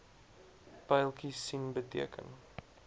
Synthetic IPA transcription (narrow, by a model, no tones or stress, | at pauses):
pɛjlˠkisinbətḭəkə̰n